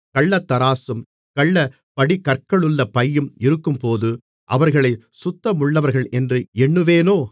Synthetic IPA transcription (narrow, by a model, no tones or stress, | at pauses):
kɐɭːɐt̪ːɐɾaːsɯm | kɐɭːɐ | pɐɽikɐɾkɐɭɯɭːɐpɐjːɯmɪɾɯkːɯmpoːðɯ | ʔɐʋɐɾɣɐɭɐɪ | sʊt̪ːɐmʊɭːɐʋɐɾɣɐɭʔɛndrɯɛɳːɯʋeːnoː